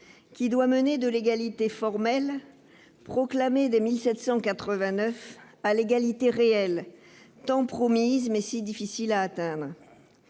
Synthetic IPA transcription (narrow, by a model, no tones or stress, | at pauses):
kʲid̪waməned̪əleɡalit̪efɔʁmɛl | pχɔklamed̪emilsɛt̪sɑ̃kat̪χəvɛ̃nœfaleɡalit̪eʁeɛl | t̪ɑ̃pχɔmizmɛsid̪ifisilaːt̪ɛ̃d̪ʁ